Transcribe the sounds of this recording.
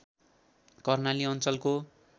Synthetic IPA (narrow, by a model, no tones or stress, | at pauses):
kʌrnaliʌnt͡sʌlko